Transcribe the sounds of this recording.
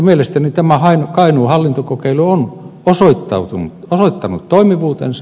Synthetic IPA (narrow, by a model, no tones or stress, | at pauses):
mielest̪ænit̪æmæhɑinokɑinuːhɑlːint̪okokeiluonosoit̪ːɑ̰ut̪unut̪osoit̪ːɑnut̪t̪oimiʋuːt̪ḛnsɑ